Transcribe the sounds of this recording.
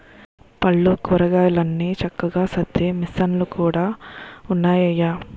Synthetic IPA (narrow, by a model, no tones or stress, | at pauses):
pɐɭːukuɾɐɡaːjlɐnːiːt͡ʃɐkːɐɡaːsɐd̪ːeːmisːɐnlukuːɽaːunːaːjɐjaː